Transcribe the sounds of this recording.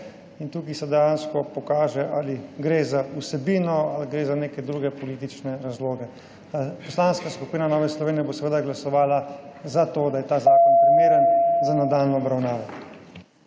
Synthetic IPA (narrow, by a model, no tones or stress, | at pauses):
int̪uːkisɛd̪ɛjanskɔpɔkaːʒɛʔaliɡɾeːzausɛbiːnɔalɡɾeːzaneːkɛd̪ɾuːɡɛpɔliːt̪it͡ʃnɛɾazloːɡɛ | apɔslaːnskaskupiːnanɔːʋɛslɔʋeːnijɛbosɛʋəd̪aɡlasɔʋaːlazat̪oːd̪ajɛt̪aːzaːkɔnpɾimeːɾənzanad̪alnɔɔbɾawnaːʋɔ